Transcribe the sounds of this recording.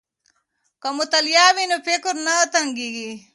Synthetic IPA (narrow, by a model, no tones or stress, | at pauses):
kɐmut̪ɐljaːʋinopekuɾnɐːt̪ɐŋɡiɡi